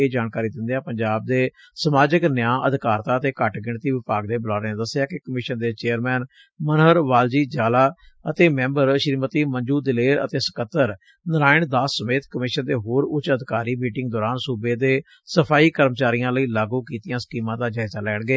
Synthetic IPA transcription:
eːd͡ʒaːnkaːɾiːd̪ɪnd̪ejãːpəɲd͡ʒaːb̚d̪eː | səmaːd͡ʒəknəjãːʔəd̪kaːɾt̪ãːət̪eːkəʈɡɪɳt̪iːʋɪpaːɡd̪eːbəlaːɾẽːd̪əsːjaːkekəmɪʃənd̪eːt͡ʃeːəɾmɛːn | mənɦəɾʋaːld͡ʒiːd͡ʒaːlaːət̪eːmɛ̃ːmbəɾʃəɾmət̪iːməɲd͡ʒuːd̪ɪleːɾə̰t̪eːsə̥kət̪ːəɾ | nəɾaːɪɳd̪aːsːəmeːt̪kəmɪʃənd̪eːɦoːɾʊt͡ʃəd̪ɪkaːɾiːmiːʈɪŋɡd̪ɔːɾaːnsuːbeːd̪eː | səpʰaːiːkəɾmt͡ʃaːɾijãːləiːlaːɡuːkiːt̪ɪjãːsə̥kiːmãːd̪aːd͡ʒaːɪzaːlɛːɳɡeː

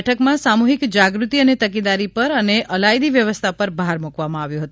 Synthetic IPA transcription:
ʈʰəkmãsamuɦikd͡ʒaɡɾut̪iənet̪ək̬ed̪aɾipəɾəneʔəlajd̪iʋjəʋəst̪ʰapəɾbʱaɾmukʋamãaʋjũɦət̪

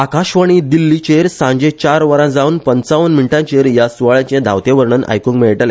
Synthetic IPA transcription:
akãɕʋəɽ̃id̪ilːit͡ɕeɾsãɲd͡ʑẽt͡ɕaɾʋəɾãd͡zaunpənt͡saʋənmiɳʈãt͡ɕeɾjasuʋaɭãt͡ɕẽd̪ʱa̰wt̪eʋəɾɳəna̰jkũŋkmeɭʈəle

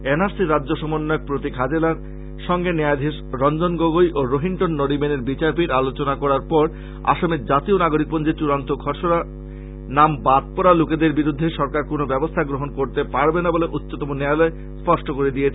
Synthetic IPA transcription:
enaɾsiɾad͡ʑːd͡ʑoʃɔmonːajok̚pɾot̪ikʰad͡ʑelaɾ | ʃɔŋɡenead̪ʱeʃɾɔnd͡ʑonɡoɡojʔoɾoɦiɳʈonːoɽibeneɾbit͡ɕaɾpiɾalot͡ɕonakɔɾaɾpɔɾ | a̰ʃomeɾd͡ʑat̪ionaɡoɾik̚pond͡ʑet͡ɕuɾant̪oɡʱɔɾʃona | nambat̪̚pɔɾaluked̪eɾbiɾud̪ʱːeʃɔɾkaɾkonobɛbost̪ʰaɡɾoɦonkoɾt̪epaɾbenaboleʔutːɕot̪ɔmonealɔe | spɔʃʈokoɾed̪iet͡ɕʰ

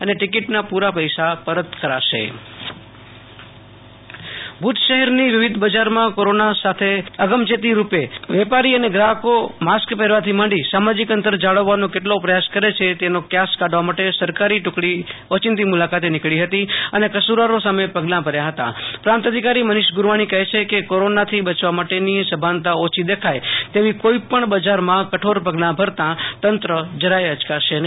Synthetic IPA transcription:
əneʈɪkiʈnapuɾapəjsapəɾət̪kəɾa̰ʃḛ | bʱut̪ʃəɦɛɾniʋɪʋɪd̪ʱbəd͡ʒaɾmãkoɾonasat̪ʰeəɡəmd͡ʒet̪̬iɾupeʋɛpaɾiəneɡɾaɦəkomaskpɛɾʋat̪ʰimãɳɖisamad͡ʒikənt̪əɾd͡ʒaɭəʋːanõkeʈlopɾəjaskəɾet͡ʃʰet̪enokjaskaɖʋamaʈesəɾkaɾiʈʊkɽiot͡ʃɪnt̪imʊlakat̪enɪkɭiɦət̪iənekəsuɾaɾosamepəɡlãpəɾjaɦət̪ã̰pɾãnt̪əd̪ʱikaɾimənɪʃɡʊɾʋaɽ̃ikəɦet͡ʃʰekekoɾonat̪ʰibət͡ʃʋamaʈenisəbʱant̪aot͡ʃʰid̪ekʰajt̪eʋikoipəɳbəd͡ʒaɾmãkəʈʰoɾpəɡlãbʱəɾt̪ãt̪ənt̪ɾəd͡ʒəɾajəd͡ʒkaʃen

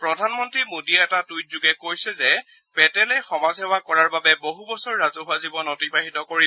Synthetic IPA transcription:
pɹɔdʱanmɔntɹimodiɛɛtatujt̚zuɡɛkojsɛzɛ | pɛtɛlɛxɔmazɦɛwakɔɹaɹbabɛboɦubɔsɔɹːazʊɦʊazibɔnɔtipaɦitɔkoɹi

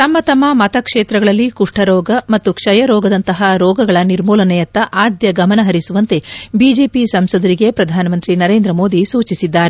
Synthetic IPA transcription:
t̪ɐmːɐt̪ɐmːɐmɐt̪ɐkʂeːt̪ɾɐɡɐɭɐlːikuʂʈʰɐɾɔːɡɐmɐt̪ːukʂɐjɐɾɔːɡɐd̪ɐnt̪ɐɦɐɾɔːɡɐɡɐɭɐniɾmuːlɐnɛjɐt̪ːɐʔaːd̪jɐɡɐmɐnɐɦɐɾisuʋɐnt̪e̞biːd͡ʒe̞ːpisɐmsɐd̪ɐɾiɡe̞pɾɐd̪ʱaːnɐmɐnt̪ɾinɐɾe̞ːnd̪ɾɐmoːd̪isuːt͡ʃisid̪ːaːɾe

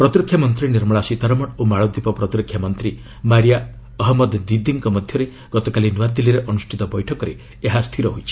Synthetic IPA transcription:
pɾɔt̪ɾɔkʰjamɔnt̪ɾiniɾmɔɭasit̪aɾɔmɔɽomaɭɔd̪ipɔpɾɔt̪ɾɔkʰjamɔnt̪ɾi | maɾija | ɔɦɔmɔd̪d̪id̪iŋkɔmɔd̪ʱjɔɾe | ɡ̥ɔt̪ɔkalinwad̪iliɾeʔɔnusʈʰit̪ɔbɔjʈʰɔkɔɾe | eɦast̪ʰiɾɔɦojt͡ʃʰi̥

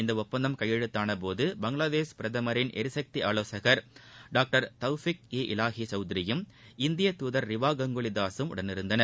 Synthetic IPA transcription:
ɪnd̪ɐɔppːɐnd̪ɐmkɐjːɛɻɯt̪ːaːnɐp̬oːðɯbɐŋɡɭaːðeːʂpɪɾɐðɐmɐɾɪnʔɛ̰ɾɪsɐk̚t̪iʔaːloːsɐɣɐɾɖaːk̚ʈɐɾt̪ɐʊfɪk̚eːʔɪlaːɣit͡ʃɐʊd̪ɪɾɪjɯmɪnd̪ɪjɐt̪uːðɐɾːɪʋaːɡɐŋɡoɭɪd̪aːsɯmʊ̰ɽɐnɪɾɯnd̪ɐnɐɾ

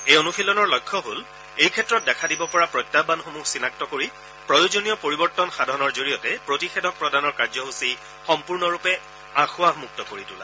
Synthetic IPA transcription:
ejonupʰilɔnɔɹlɔjkʰːɔɦol | ejkʰɛtːɹɔt̚dɛkʰadibɔpɔɹapɹɔjtːabanxomuxsinak̚tɔkoɹi | pɹɔjozonijɔpoɹibɔɹtɔnxadʱɔnɔɹzoɹijɔtɛpɹotixɛdʱɔk̚pɹɔdanɔɹkaɹzɔɦusi | xɔmpuɹnɔɹupɛ | axʊaɦmuk̚tɔkoɹitula̰

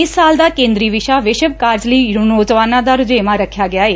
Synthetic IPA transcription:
ɪsːaːld̪aːkẽːnd̪ɾiːʋɪʃaʋɪʃəʋkaːɾd͡ʒliːɾʊnoːzʋaːnãd̪aːɾʊd͡ʒeːmãɾəkʰjaːɡɪjaːeː

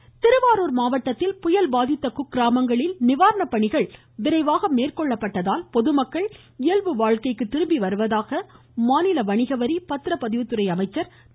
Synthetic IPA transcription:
t̪ɪɾɯʋaːɾoːɾmaːʋɐʈːɐt̪ːɪlpʊjɐlbaːðɪt̪ːɐkʊkːɪɾaːmɐŋɡɐɭɪlnɪʋaːɾɐɳɐpːɐɳɪɣɐɭ | ʋɪɾɐɪʋaːɣɐmeːrkɔɭːɐpːɐʈːɐðaːlpɔðɯmɐkːɐɭ | ɪjɐlʋɯʋaːɻkɐɪkːɯt̪ːɪɾɯmbiʋɐɾɯʋɐðaːɣɐ | maːnɪlɐʋɐɳɪɣɐʋɐɾipɐt̪ːɾɐpɐðɪʋɯt̪ːɯɾɐɪɐmɐɪt͡ʃːɐɾ

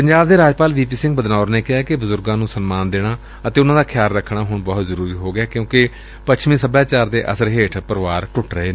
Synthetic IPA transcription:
pəɲd͡ʒaːbd̪eːɾaːd͡ʒpaːlʋiːpiːsɪ̃ŋɡbəd̪naːʊɾneːkɪɦaːkɪbəzʊɾɡãːnũːsənmaːnd̪eːɽaː | ət̪eːʊnãːd̪aːkʰjaːɾɾəkʰːɳ̃aːɦʊɳbɔːt̪zəɾuːɾiːɦoːɡɪaːkjõːkɪ | pət͡ʃʰmĩːsəbaːt͡ʃaːɾd̪eːʔəsəɾɦeːʈʰpəɾʋaːɾʈʊʈɾəɦeːnː

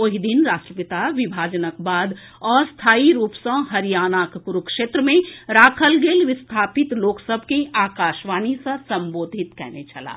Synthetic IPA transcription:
oɦid̪inɾaːsʈɾəpɪt̪aʋɪbʱaːd͡ʒənək̚baːd̪ | ɔːɾst̪ʰaːiɾuːpsə̃ɦɐɾijaːnaːkpʊɾukʃeːt̪ɾəmẽɾaːkʰəlɡeːlʋɪst̪ʰaːpɪt̪loːksəbʱkeaːkaːʃʋaːnisɐsɐ̃mboːd̪ʱɪt̪kɛ̰ɦnet͡ʃʰɐla̰ː

